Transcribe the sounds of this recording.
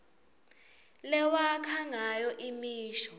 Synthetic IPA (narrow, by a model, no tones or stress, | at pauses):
lɛwakʰaŋajɔʔimiːʃɔ̥